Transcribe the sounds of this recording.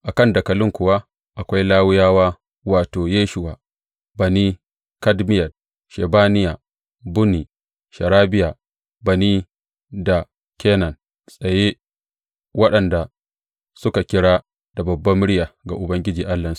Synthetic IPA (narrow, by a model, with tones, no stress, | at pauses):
ʔa˨kɐ˦nda˨kɐ˨lʊ˦ŋkʷʊ˨wa˦ | ʔa˨kʷa˦jlaː˦wɪ˦jaː˦waː˦ | waː˨toː˨jeː˦ʃʊ˨waː˨ | bɐ˨niː˦ | kɐ˦dmɪ˦jɐ˨d̚ | ʃe˨baː˦nɪ˦jaː˨ | bʊ˦ni˨ | ʃɐ˨ɾaː˦bɪ˦jaː˨ | bɐ˨niː˦ | da˨ | kʲeː˦nɐ˨n | sʼɐ˨je˦ | wɐ˦ɗɐ˨nda˨ | sʊ˦ka˨kʲɪ˦ɽaː˦ | d̥a˨bɐ˨bːɐ˦mːɪ˦ɽjaː˨ɡa˨ʔʊ˨bɐ˦ŋɡʲɪ˦d͡ʒiː˨ʔa˦lːɐ˨ns